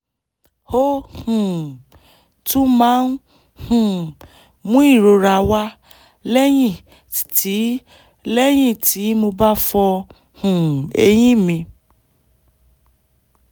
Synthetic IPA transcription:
ho˦hũ˨ | tũ˦mãː˦n˦ | hũ˨ | mũ˦i˦˨ɾo˧ɾa˧wa˦ | lɛ˦j̃ĩ˦˨ | tʰi˨˦ | lɛ˦j̃ĩ˦˨tʰi˨˦mo˧ba˦fɔ˧ | hũ˨ḛ˧j̃ĩ˦mĩ˧

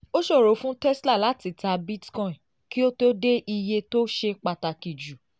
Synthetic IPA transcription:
o˦ʃo˦˨ɾo˨˦fũ˦tɛ˦sla˦˨la˨˦ti˦˨ta˧bi˦tkɔ̃˦˨ĩ˨ | ki˦o˦to˦de˦ʔi˧je˧to˦ʃe˧k͡pa˧ta˧˨ki˨d͡ʒu˨

